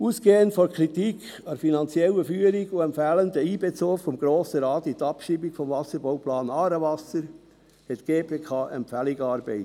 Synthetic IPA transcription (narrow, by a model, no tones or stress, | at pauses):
uːsɡ̥eːənfɔɾkʰɾitik | ɑfinɑnt͡sjɛlːəfyːəɾiɡuɛmpfæːlənd̪əiːbet͡soːffɔmɡ̥ɾoːsəɾɑːt̪it̪ɑpʃiːbikfɔmvɑsəɾbowplɑːnɑːɾəvɑsəɾ | hɛt̪ɡ̥eːpʰeːkʰɑːʔɛmpfæliɡɑːɾbɛɪt